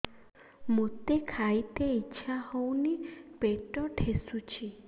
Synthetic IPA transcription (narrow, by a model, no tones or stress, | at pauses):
mot̪ekʰajt̪eitːʃʰahownipeʈɔʈʰesut͡ʃʰi